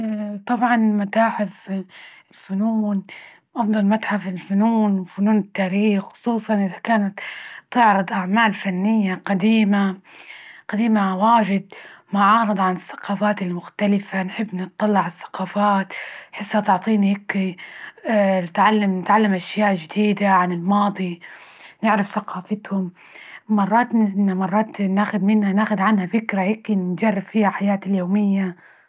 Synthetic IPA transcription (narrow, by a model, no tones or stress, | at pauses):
t̪ˤɑbʕɑnmʊt̪aːħɪθɪlfʊnuːn | ʔɑfd̪ˤɑlmat̪ħafɪlfʊnuːnwfʊnuːnɪt̪ːaːɾiːxxʊ̥sˤuːsˤɑnʔɪðakaːnat̪t̪ːɪʕɾɨd̪ˤʔaʕmaːlfanːɪjːaqad̪iːma | qad̪iːmawaːʒɪd̪̚mʊʕɑːɾɨd̪ˤʕanɪθːḁqɑːfaːt̪ɪlmʊxt̪alɪfanħɪbːnɪt̪ˤːɑlːɪʕɪθːḁqɑːfaːt̪ħɪsːat̪ʊʕt̪ˤiːnihɪkːi | nɪt̪ʕalːamnɪt̪ʕalːamʔaʃjaːʔd͡ʒɪd̪iːd̪aʕanɪlmɑːd̪ˤi | nɪʕɾɪfθaqɑːfɪt̪hʊm | mɑrˤːɑːt̪namɑrˤːɑːt̪naːxʊd̪mɪnhanaːxʊd̪ʕanhafɪkɾahɪkːid͡ʒɑrˤːɪffiːhaħajaːt̪ɪljoːmɪjːa